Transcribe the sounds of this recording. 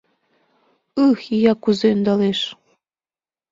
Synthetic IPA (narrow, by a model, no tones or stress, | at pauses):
ɯxijɑkuzeynd̪ɑleʃ